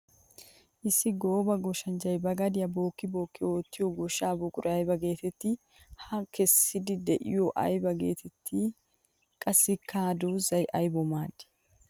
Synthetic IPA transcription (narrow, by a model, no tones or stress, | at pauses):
ʔɪsːɪɡo̞ːbɐɡɔʃɐnd͡ʒɐjbɐɡɐd̪ɪjɐbo̞ːkːɪbo̞ːkːɪo̞ːt̪ːɪjɔɡɔʃaːbɔkʼʊɾɐjbɐɡe̞ːt̪ɛt̪ːɪ | hɐkɛsːɪd̪ɪd̪ɛʔɪ̰joʔɐ̰jbɐɡe̞̰ːt̪ʰɛt̪ʰːɪ | kʼɐsːɪkʰːaːd̪uzɐjʔɐjbɔmaːd̪ɪ̥